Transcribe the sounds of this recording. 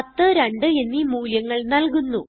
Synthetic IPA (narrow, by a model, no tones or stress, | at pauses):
ɐt̪ːɨɾeɳɖɨenːimuːljɐŋːɐɭnɐlkunːu